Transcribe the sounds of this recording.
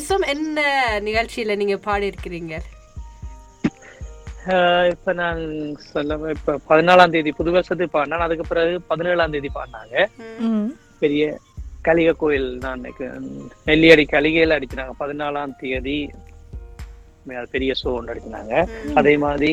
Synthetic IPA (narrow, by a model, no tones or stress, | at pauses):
sɐmɛnːɐnɪɣɐɭt͡ʃɪjɪlɐniːŋɡɐpaːɽɯɪɾɯkːɪɾiːŋɡɐɾ | ɪpːoːnaːnsɔlːɐɪpːoːpɐðɯnaːlaːnt̪̬ɪjɐðipʊðʊʋeːsɐt̪̬ːɯpaːɾnːaːnɐðɯkːɯpːɪɾaɣɯpɐðɯneːɭaːnt̪ijɐðipa̰ːnaːŋɡɐ | pɛɾɪjɐ | kɐɭɪɣɐkːoːjɪlnaːn̰kːnɛɭːɪɐɽikɐlɪɣɐjlɐɽɯt͡ɕːɯnaːŋɡɐpɐðɯnaːlaːnt̪ɪjɐði | mːɐðɯpɛɾɪjɐsoːnɐɽɯt͡ʃːɪna̰ːŋɡɐɐðeːmaːðɾi